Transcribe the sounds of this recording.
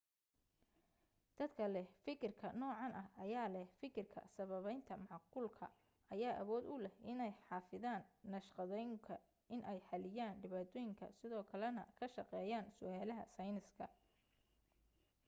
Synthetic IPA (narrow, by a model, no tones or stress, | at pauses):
d̪̥ɐd̪kʰɐlɛhfɪkʰɪrkʰɐnɔːʕɑnʔɐhɐjaːlɛhfɪkʰɪrkʰɐ̰sɐβɐβɛjnt̪ʰɐmɑʕqʊːlkʰɐ̰ | ʔɐjaːʔɐβɔːd̪ʊlɛhɪnɛjħɑːfɪðaːnːɐʃqɑðɛjŋkʰɐ | ʔɪnʔɛjħɑlɪjaːnɖɪβaːt̪ʰɔːjɪŋkʰɐ̰sɪðɔːkʰɐlɛnɐ̰kʰɐʃɑqɛːjaːnsʊʔaːlɐɦɐ̰sɐjnɪskʰɐ̰